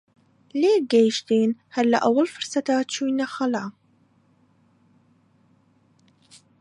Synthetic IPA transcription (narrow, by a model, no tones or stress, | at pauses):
leːɡejʃt̪eːnhalːa̰ʔawːalfʊɾˤsat̪at̪ʃunːaxalʕa